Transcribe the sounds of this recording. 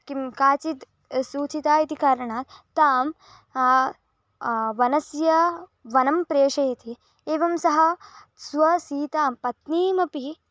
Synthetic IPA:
kimkaːt͡ʃit̪ | suːt͡ʃit̪aːit̪ikaːɾɐɳaːt̪t̪ːaːm | ʋɐnɐsjɐʋɐnɐmpɾeːʃɐjɐt̪ʰi | eːʋɐmsɐɦɐ̆ | sʋɐsiːt̪aːmpɐt̪niːmɐpi

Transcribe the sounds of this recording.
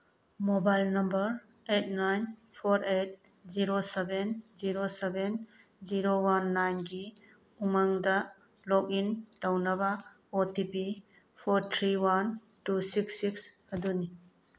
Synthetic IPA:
mobajlnɐmbəɾ | et̚najn | pʰoɾet̚ | ziɾosebenziɾoseben | ziɾowanːajnɡi | umaŋda | lɔk̚intawnɐba | otipi | pʰoɾt̪ʰɾiwan | tusiksːikshɐduni

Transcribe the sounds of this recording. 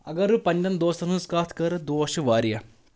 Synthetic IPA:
ɐ̰ɡɐɾupɐɲʲd͡ʒɐnd̪oːst̪ɐnuskaːt̪ʰkɐɾɨd̪oːʋɐʃuʋaːɾijɐ

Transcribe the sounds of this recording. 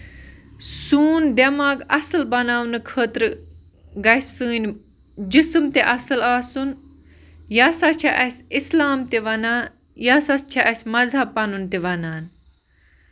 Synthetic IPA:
suːnd̪ɐmaːɡɐsɨlbɐnaːwnɨkʰəːt̪ɾ | ɡɐsɨːnʲ | d͡ʒisɨmt̪eʔɐsɨlaːsun | jaːsat͡ʃʰaʔɐsʲislaːmt̪eʋɐnaːn | jaːsɐst͡ʃʰaʔɐsʲmɐzɐpːɐnunt̪eʋɐnaːn

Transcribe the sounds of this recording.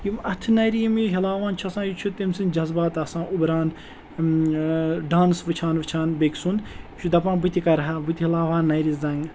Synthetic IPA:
jimɐt̪ʰɨnɐjɾiimɦilaːʋaːnt͡ʃʰɐsãːjit͡ʃʰut̪emsind͡ʒɐzbaːt̪ɐsãːʔubɾaːn | ɖaːnsʋɨt͡ʃʰaːnʋɨt͡ʃʰaːnbeksund̪t͡ʃʰud̪ɐpãːnbɨt̪ʲikɐɾɦabɨt̪ʲiɦilaːʋaːnːɐjɾizɐ̃ŋ

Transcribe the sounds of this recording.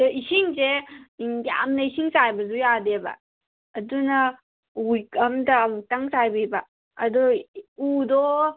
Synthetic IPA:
isiŋse | ja̰mnɐisiŋsajbɐzujadeba̰ː | duna | ujkamdaːmuk̚taŋsajbibaː | dɔudɔ

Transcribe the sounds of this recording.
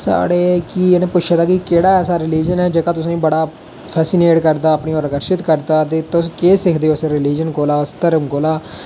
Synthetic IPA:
sa̰ːɽeːkiːnẽːpʊt͡ʃʰeːd̪aːkɪkeːɽaːɛːsaːɾɪliːd͡ʒənɛːd͡ʒeːkãːt̪ʊsãːĩːbəɽaː | pʰɛːsiːneːʈkəɾd̪aːəpniːoːɾəkəɾʃɪt̪kəɾd̪aːt̪eːt̪ʊskeːsɪkʰd̪eːoːsɾɪliːd͡ʒənkoːlaːst̪əɾəmkoːlaː

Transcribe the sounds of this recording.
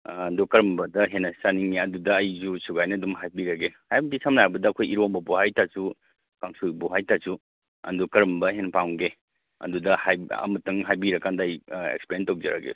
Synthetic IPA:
ndukɐɾɐmbɐdɐɦenɐsaniŋːiɐdudɐːjzusuɡajnɐdumɦajbiɾɐɡehajbɐdisamnajbɐdɐːkʰojiɾombɐbuhajtasu | kaŋsubuɦajtasu | ɐ̰ndukɐɾɐmbɐɦenpawŋɡe | ɐ̰dudɐhajɐ̰mɐtɐŋɦajbiɾɐkːandaɐjḛkspeɾentowd͡ʒɐɾa̰ɡḛ

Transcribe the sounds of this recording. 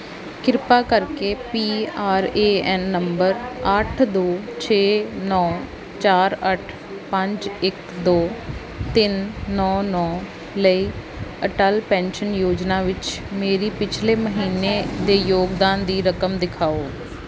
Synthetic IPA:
kɪɾpaːkəɾkeːpiːaːɾeːɛːnːəmbəɾəʈʰd̪oːt͡ʃʰeːnɔː | t͡ʃaːɾəʈʰ | pəɲt͡ʃɪk | d̪oː | t̪ɪnːɔːnɔː | ləiː | əʈəlpɛ̃ːnʃənjoːd͡ʒnaːʋɪt͡ʃmeːɾiːpɪt͡ʃʰleːməɦiːneːd̪eːjoːɡd̪aːnd̪iːɾəkəmd̪ɪkʰaːoː

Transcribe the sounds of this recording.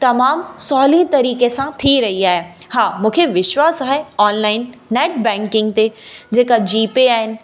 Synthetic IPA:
t̪ɐmaːmsɔːlĩt̪ɐɾiːkesãt̪ʰiɾɐɦiaːɦe | haːmũːkʰeʋɪʃwaːsaːɦeɔːnlaːɪnːɛːʈ̚bɛ̃ːŋkɪ̃ŋɡt̪ed͡ʑeːkad͡ʑiːpeaːɦɪnɪ̆

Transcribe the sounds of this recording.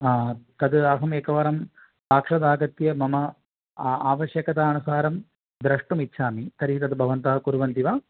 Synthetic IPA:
aːt̪ɐd̪ɐɦɐmeːkɐʋaːɾɐm | paːkʂɐd̪aːɡɐt̪jɐmɐmɐ | aːʋɐʃjɐkɐt̪aɐnusaːɾɐm | d̪ɾɐʂʈɐmitːʃʰaːmit̪ɐɾiit̪ɐd̪bʱɐʋɐnt̪ɐːɐkuɾʋɐnt̪iʋaː

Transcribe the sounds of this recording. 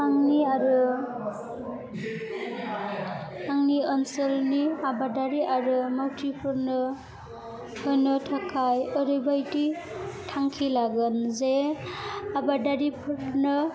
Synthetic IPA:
aŋniaɾɯ | aŋniɔnsəlniabadaɾiʔaɾɯmawtʰipʰɯɾnɯ | hɯjnɯtʰakʰajɔɾɯjbajti | tʰaŋkʰilaɡɯnze | abadaɾipʰɯɾnɯ

